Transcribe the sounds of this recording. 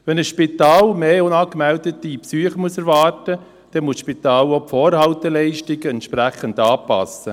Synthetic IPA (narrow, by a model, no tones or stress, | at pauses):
ʋɛnəsʃpit̪ɑːlmeːʊnɑːkmɛldət̪ipsyːəχəmuəsɛɾvɑːrtə | d̥ɛnmuəsʃpit̪ɑːlopfoːɾhɑwtɛlɛɪʃtɪɡəɛnt̪ʃpɾæχəndɑːpɑ̰sə